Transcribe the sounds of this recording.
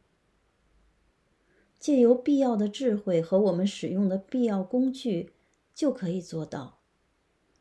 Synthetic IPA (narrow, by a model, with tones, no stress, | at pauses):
t͡ɕjɛ˥˩jo˧˥ʊpi˥˧jɑ˥˩ʊd̪ə˩ʈ͡ʂɻ̩˥˧xwe˥˩ɪxɤ˧˥wɔ˨˩mə˦nʂɻ̩˨˩jʊ˥˩ŋd̪ə˩pi˥˧jɑ˥˩ʊkʊ˥ŋt͡ɕy˥˩ | t͡ɕjo˥˩ʊkʰɤ˧˥i˨˩t͡swɔ˥˧t̪ɑ˥˩ʊ